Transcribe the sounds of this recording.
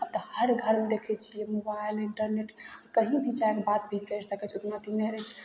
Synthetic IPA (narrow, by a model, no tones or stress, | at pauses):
ab̚t̪əhəɾɡʱəɾmed̪ekʰɛt͡ʃʰijɛmobajliɳʈəɾneʈakəɦĩbʱit͡ʃaekbat̪̚bʱikəɾsəkɛt͡ʃʰot̪nat̪ineɾɛt͡ʃʰ